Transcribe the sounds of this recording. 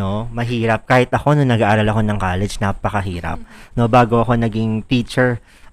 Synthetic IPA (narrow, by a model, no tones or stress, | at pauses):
o̞mɐɦiːɾɐp̚kaːhɪt̪ʔɐko̞nʊŋnɐɡaʔaːɾɐlɐko̞nɐŋkaːlɛd͡ʒnapɐkɐɦiːɾɐ̰p̚no̞baːɡo̞ʔɐko̞nɐɡɪŋt̪iːt͡ʃɛɹ